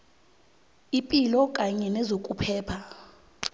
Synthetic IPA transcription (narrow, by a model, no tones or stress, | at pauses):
ipʼilɔkʼaɲɛnɛzokʼupʰɛːpʰa